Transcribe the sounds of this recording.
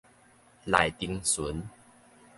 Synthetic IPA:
la˨˩jt̪i˧ŋsu˨˦n

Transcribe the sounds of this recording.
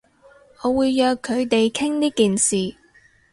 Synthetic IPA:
ɔː˨˧wuː˨˧jːœː˨˧kʰːɵ˨˧ɥt̪e˨jkʰɪ˥ŋniː˥kiː˨nsiː˨

